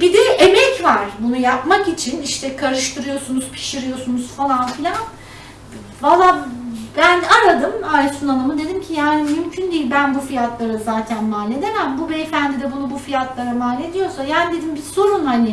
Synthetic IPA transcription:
bid̪ɛemɛcvaɾ̥bunujapmakit͡ʃʰiniʃt̪ʰɛkʰaɾɯʃt̪ʰɯɾɯjo̞sunuz̥pʰi̥ʃiɾɯjo̞sunuz̥falˠanfilʲan | valˠːaːbænaɾad̪ɯmaːsunanˠɯmɯd̪e̞d̪imcʰijaːnimymcʰynd̪ijilʲbænbufijat̪lˠaɾɯzaːt̪ʰænmaːlʲe̞d̪emæmbubɛfænd̪id̪ɛbunubufijat̪lˠaɾamaːlʲed̪ijo̞sajaːnid̪e̞d̪imbiso̞ɾunhanɪ

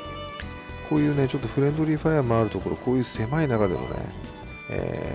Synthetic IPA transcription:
kʰo̞ːjɯ̟ːne̞t͡ɕo̞t̪ːo̞ɸɯ̟ɾẽ̞nd̪o̞ɾʲiɸajamoaɾɯ̟t̪o̞ko̞ɾo̞ko̞ːjɯ̟ːse̞mainakad̪e̞̰mo̰nḛ | ḛ

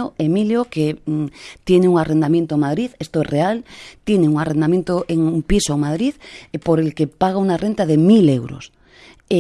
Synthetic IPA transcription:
oemiljoke | t̪jeneuŋarend̪amjent̪omaðɾiðest̪oesrealt̪jeneuŋarend̪amjẽnt̪oʔeŋumpisomaðɾiðpoɾelkepaɣ̞auŋarent̪aðemilewɾo̰s | e

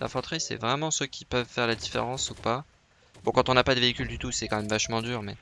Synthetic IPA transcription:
la̰fɑ̃t̪χisɛ̰vʁɛmɑ̃søkʲʰipœvfɛʁlad̪ifḛʁɑ̃supa | bɔ̃kɑ̃t̪ɔ̃napad̪əveikʲyld̪yt̪usɛkɑ̃mɛmvaʃmɑ̃d̪yːʁmɛ

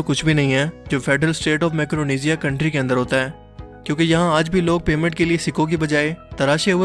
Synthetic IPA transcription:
okʊt͡ʃʰbʱinɐɦĩɦɛːd͡ʒoːpʰɛːɖɾəlsʈeːʈɔːfmɛːkɾoːniːzijakɐ̃ɳʈɾikeə̃nd̪əɾɦoːt̪aɦɛː | kjõːkejɐɦãəd͡ʒbʱiloːɡ̚peːmə̃ɳʈkeliesɪkõk̬ibɐd͡ʒaːet̪ɐɾaːʃeʊ

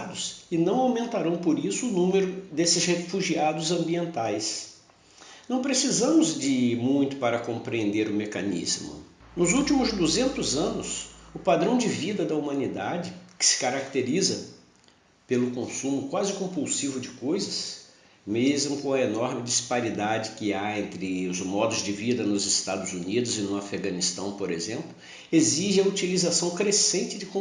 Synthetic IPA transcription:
d̪ʊsɪnɐ̃w̃awmẽnt̪aɾɐ̃w̃poɾisʊːnũmeɾʊd̪esɪshefuʒiad̪ʊzɐ̃mbiẽnt̪ajs | nɐ̃w̃pɾesizɐ̃mʊzd͡ʒɪmũj̃t̪ʊ̥paɾɐkõmpɾiẽnd̪eɾʊmekɐ̰nḭzmʊ̰ | nʊzut͡ʃimʊzd̪uzẽnt̪ʊzɐ̃nʊsʊpad̪ɾɐ̃w̃d͡ʒɪvid̪ɐd̪ɐumɐ̃nid̪ad͡ʒɪkɪ̥sɪ̥kaɾak̚t̪eɾizɐ | pelʊkõsũmʊkwazɪkõpuwsivʊd͡ʒɪkojzɐs | mezmʊkõɐenɔɾmɪd͡ʒispaɾid̪ad͡ʒɪkɪaẽnt̪ɾɪʊzmɔd̪ʊzd͡ʒɪvid̪ɐnʊzɪst̪ad̪ʊzunid̪ʊzɪnʊafeɡɐ̃nist̪ɐ̃w̃poɾḛzẽmplʊ | eziʒɪɐut͡ʃilizasɐ̃w̃kɾesẽnt͡ʃɪd͡ʒɪkõ

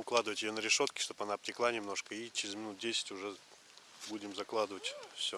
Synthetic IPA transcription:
ʊklˠad̪ɨvətʲɪjonəɾʲɪʂo̞t̪kʲɪ̥ʂt̪opɐnap̚tʲɪklˠanʲɪmno̞ʂkəit͡ɕɪɾʲɪzmʲɪnut̪̚dʲesʲɪ̥tʲʊʐɛ | budʲɪmzɐklˠad̪ɨvətʲfsʲo

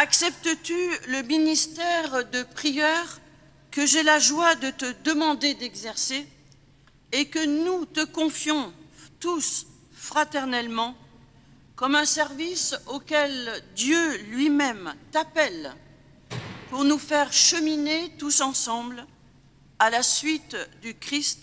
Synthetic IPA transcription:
aksɛp̚t̪ət̪yləminist̪ɛʁd̪əpχijœʁ | kəʒelaʒwad̪ət̪əd̪əmɑ̃d̪ed̪ɛɡzɛʁse | kənut̪əkɔ̃fjɔ̃t̪us | fχat̪ɛʁnɛlmɑ̃ | kɔmɛ̃sɛʁvisokʲɛld̪jølɥimɛmt̪apɛl | puʁnufɛʁʃəminet̪usɑ̃sɑ̃bl | alasɥit̪d̪ykχist̪

